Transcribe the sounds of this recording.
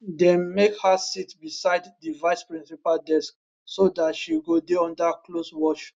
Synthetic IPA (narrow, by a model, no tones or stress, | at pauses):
dɛ̃nmekhasitbisaɪddivaɪspɹĩnsipaldɛsk̚ | sodatʃiɡodeɔ̃ndakloswɔʃ